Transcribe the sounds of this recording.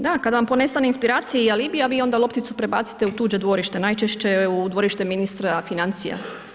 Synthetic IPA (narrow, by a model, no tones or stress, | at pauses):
d̪akad̪aʋampo̞nest̪aneinspiɾaːt̪sijealiːbijaʋiːo̞nd̪alˠo̞pt̪it̪supɾe̞baːt̪si̥t̪e̞ut̪uːd͡ʒe̞d̪ʋo̞ɾiʃt̪e̞najt͡ʃeʃt͡ɕe̞ud̪ʋo̞ɾiʃt̪eminist̪ɾafinant̪sija̰